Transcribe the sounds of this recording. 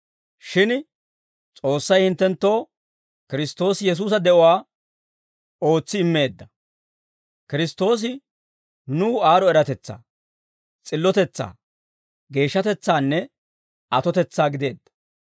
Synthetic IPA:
ʃɪn | t͡sʼo̞ːsːɐjhɪnt̪ːɛnt̪ːo̞ː | kɪɾɪst̪o̞ːsjɛs̬uːs̬ɐd̪ɛʔɔwaː | o̞ːt͡sːɪɪmːe̞ːd̪ːɐ | kɪɾɪst̪o̞ːs̬ɪ | nuːaːɾɔɛɾɐt̪ɛt͡sːa̰ː | t͡sʼɪlːɔt̪ɛt͡sːa̰ː | ɡe̞ːʃːɐt̪ɛt͡sːaːnːɛ | ɐt̪ɔt̪ɛt͡sːaːɡɪd̪e̞ːd̪ːɐ̥

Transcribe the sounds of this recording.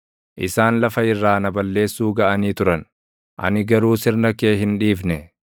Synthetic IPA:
ʔɪsaːnlɐfɐɪrːaːnɐbɐlːe̞ːsːuːɡɐʔɐniːt̪ʊɾɐn | ʔɐ̰nɪɡɐɾuːsɪɾnɐke̞ːɦɪnᶑiːfnɛ

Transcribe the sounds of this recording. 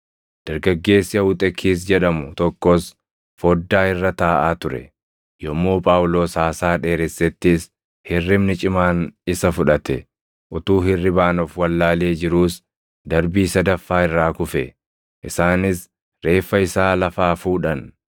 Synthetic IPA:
d̪̥ɐɾɡɐɡːe̞ːsːɪɐʊt̪ʼɛkʰiːs̬d͡ʒɛᶑɐmʊt̪ɔkːoːs | foːd̪ːaːɪrːɐt̪aːʔaːt̪ʊɾɛ̰ | jɔmːoːpʼaːwlo̞ːsaːsaːᶑe̞ːɾɛsːɛt̪ːɪs | hɪrːɪmnɪt͡ʃʼɪmaːnɪsɐfʊᶑɐt̪ɛ | ʔʊt̪uːɦɪrːɪbaːnɔfwɐlːaːle̞ːd͡ʒɪɾuːs | d̪ɐɾbiːsɐd̪ɐfːaːɪrːaːkʊfɛ | ʔɪsaːnɪs | ɾe̞ːfːɐɪsaːlɐfaːfuːᶑɐn

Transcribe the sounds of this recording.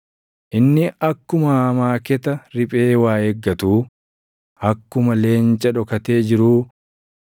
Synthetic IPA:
ʔɪnːɪɐkːʊmɐmaːkɛt̪ɐɾɪpʼe̞ːwaːeɡːɐt̪uː | ɐkːʊmɐle̞ːnt͡ʃʼɐᶑɔkɐt̪e̞ːd͡ʒɪɾuː

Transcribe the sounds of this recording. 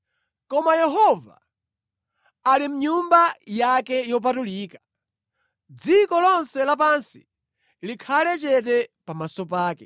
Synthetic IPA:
kɔmajɛɦɔva̰ | alim̩ɲumbajakɛjɔp̬atuliːkḁ | d͡zikɔlɔnsɛlap̬ansi̥ | likʰalɛt͡ʃɛtɛpamasɔp̬aːkɛ

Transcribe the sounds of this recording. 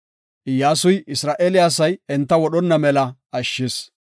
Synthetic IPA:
ʔɪjːaːsʊjɪsɾaːʔɛlɪjaːs̬ɐjɛnt̪ːɐwɔɗɔnːɐmɛlɐɐʃːɪs

